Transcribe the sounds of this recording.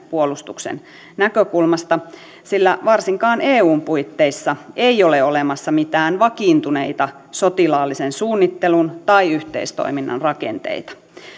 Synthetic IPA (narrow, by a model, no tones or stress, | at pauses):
puolust̪uksḛn | nækøkulmɑst̪ɑ | silːæʋɑrsiŋkɑːneːuːmpuit̪ːeisːɑeioleolemɑsːɑmit̪æːnʋɑkiːnt̪uneit̪ɑ | sot̪ilɑːlːisensuːnːit̪ːelunt̪ɑiyht̪ḛist̪o̰iminːɑ̰nrɑkḛnt̪ḛit̪ɑ̥